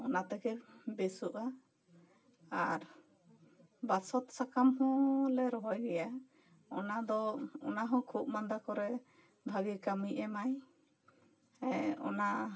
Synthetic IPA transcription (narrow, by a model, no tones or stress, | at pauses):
ɔnat̪ɛkɛbɛsuʔa | aɾ | basɔt̪sakamhɔ̃lɛɾɔɦajɡɛja | ɔ̰nad̪ɔɔ̰naɦɔ̃kʰup̚mand̪akɔɾɛ | bʱaɡikamiʔɛmaj | ɛɔ̰na